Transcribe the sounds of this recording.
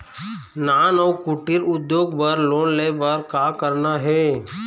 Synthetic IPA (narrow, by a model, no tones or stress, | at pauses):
naːnɔwkuʈɪɾʊd̪joːɡbɐɾloːnlebəɾkaːkəɾnaɦɛː